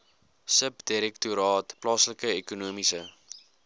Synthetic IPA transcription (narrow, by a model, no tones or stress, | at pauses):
səpdiɾɛktuɾɑːtplɑːsləkəekunuəmisə